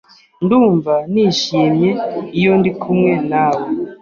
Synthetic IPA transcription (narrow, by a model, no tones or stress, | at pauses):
nduːɱvaniʃimjeijondikʰumŋenawe